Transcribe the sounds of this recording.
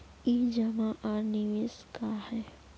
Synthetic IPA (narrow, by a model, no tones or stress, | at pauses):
id͡ʒɐmaʔaːɾniʋeːskahɛː